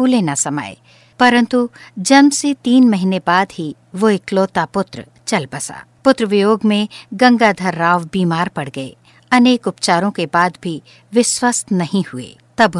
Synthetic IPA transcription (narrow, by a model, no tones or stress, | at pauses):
ulenasɐma̰ːḛ | pɐɾə̃nt̪ud͡ʒɐmset̪iːnmɐɦinebaːd̪ɦi | ʋoɪkloːt̪apʊt̪ɾə | t͡ʃɐlbɐsa̰ː | pʊt̪ɾəʋɪjoːɡmẽɡɐ̃ŋɡad̪ʱɐɾːaːʋbiːmaːɾpɐɽɡɐḛː | ɐneːkʊpt͡ʃaːɾõkebaːd̪bʱi | ʋɪʃwəst̪nɐɦĩhʊḛː | t̪ɐb